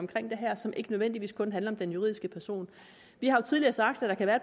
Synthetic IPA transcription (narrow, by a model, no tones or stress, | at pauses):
ɒ̽mkʰʁeŋ̰d̥e̝ɦæɐ̰sɒ̽mʔe̝ɡ̥ənøðˠen̰d̥iʋḭːskʰɔ̽nɦænlɐɒmd̥enjuʁḭðˠisɡ̥əpʰæɐso̝̰ːn | ʋihɑ̈jo̝t͡sʰiðˠliɐsɑ̈ɡ̥d̥æ̥ɑ̈kʰæʋæːɐed